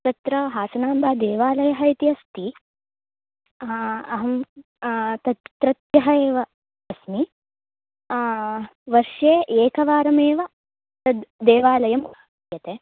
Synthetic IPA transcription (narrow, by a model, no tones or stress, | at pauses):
t̪ɐt̪ɾɐɦaːsɐnaːmbʱɐːd̪eːʋaːlɐjɐɦɐit̪iɐst̪i | ɐɦɐm | t̪ɐt̪t̪ɾɐt̪jɐɦɐeːʋɐ | ɐsmi | ʋɐɾʃeːʔeːkɐʋaːɾɐmeːʋɐ | t̪ɐd̪eːʋaːlɐjɐm | jɐt̪eː